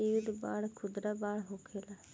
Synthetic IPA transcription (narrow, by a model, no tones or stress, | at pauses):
iʋɪd̪baːɽkʰʊd̪ɾaːbaːɽɦokʰeːla